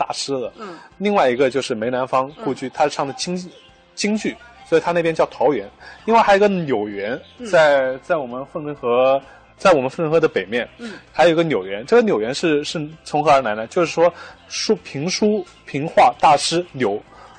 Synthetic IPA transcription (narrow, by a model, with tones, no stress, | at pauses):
t̪a̰˥˩ʂɻ̩˥d̪ə˨li˥˧ŋwa˥˩ɪi˧˥ɡə˧t͡ɕjo˥˧ʊʂɻ̩˥˩me˧˥ɪna˧˥nfɑ˥ŋkɔ˥˧t͡ɕʰy˥˩t̪ʰa˥ʂ̩˥˧ʂʰɑ˥˩ŋd̪ə˩t͡ɕi˥ŋ˥ | t͡ɕi˥ŋt͡ɕy˥˩swɔ˧˥i˨˩t̪ʰa˥ne˥˩pjɛ˥t͡ɕjɑ˥˩ʊt̪ʰɑ˧˥ʊɥɛ˧˥nli˥˧ŋwxɡə˧njo˨˩ʊɥɛ˧˥nt͡sa˥˧ɪt͡sa˥˩ɪwɔ˨˩mə˦nfə˥˩nʈ͡ʂxɤ˧˥ | t͡sa˥˩ɪwɔ˨˩mə˦nfə˥˧ʈ͡ʂɤ˥xɤ˧˥d̪ə˧pe˨˩ɪmjɛ˥˩nxa˧˥jo˨˩˧ə˧njo˨˩ʊɥɛ˧˥nʈ͡ʂɤ˥˩ɡə˧njo˨˩ʊɥɛ˧˥nʂɻ̩˥˧ʂɻ̩˥˩t͡sʰʊ˧˥ŋxɤ˧˥ə˞˧˥la˧˥ɪd̪ə˧t͡ɕjo˥˧ʊʂɻ̩˥˩ʂwɔ˥ʂu˥pʰi˧˥ŋʂu˥ | pʰi˧˥ŋxwa˥˧t̪a˥˩ʂɻ̩˥njo˧˥ʊ